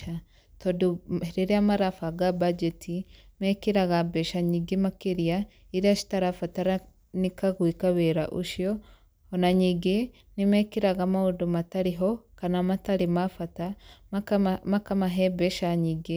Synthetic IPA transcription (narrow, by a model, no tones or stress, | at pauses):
a | todueɾeɾeamaɾafaɡabad͡ʒɛtimɛkiɾaɣabɛʃaɲiɡemakeɾia | iɾiaʃi̥taɾafataɾa | nikaɣwikaβɛɾa̰ʔṵʃjɔ | onaɲiɡe | nimɛkiɾaɣamaudomataɾiɦɔkanamataɾemafata | makamaɦɛbɛʃaɲiɡe